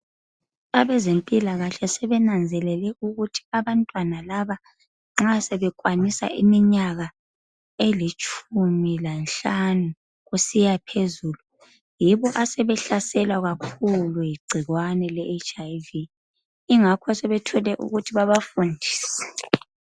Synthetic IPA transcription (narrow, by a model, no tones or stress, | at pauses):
aβɛzempʼilaɣaɬɛsɛβɛnand͡zʱɛlɛlɛuɣutʰi̥aβantʼwanalaβa | ŋ͡ǁasɛβɛkʼwanisa̰ʔimiɲaɣa | elit͡ʃʼʰumilanɬanu | ɣusijapʰezuːlu | jiβɔʔasɛβɛɬasɛlwaɣakʰulujiɡ͡ǀʱiɣwanɛlɛʔet͡ʃʼajvi | iŋakʰɔsɛβɛtʰɔlɛʔṵɣutʰiβaβafundʱiːsɛ̥